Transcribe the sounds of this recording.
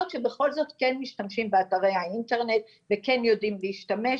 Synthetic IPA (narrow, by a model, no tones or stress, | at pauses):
ot̪ʃebe̞χo̞lzo̞tkenmiʃtamʃimbeataʁejhainte̞ʁne̞t̚ | ve̞ke̞njo̞dimleiʃtame